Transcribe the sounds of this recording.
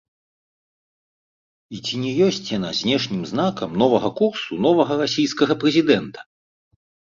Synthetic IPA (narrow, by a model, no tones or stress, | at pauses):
it͡sʲinʲɛjɔsʲt͡sʲjanazʲnʲɛʂnʲimznakɐmnɔvɐɣɐkursunɔvɐɣɐɾasʲijskɐɣɐpɾɛzʲid̪ɛnt̪ɐ̥